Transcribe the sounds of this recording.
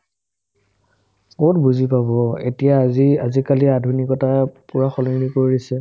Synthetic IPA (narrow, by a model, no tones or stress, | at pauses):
kotbuzipabɔḛtijaziazikaliadʱunikɔtapuɹaxɔlɔnikoɹiisɛ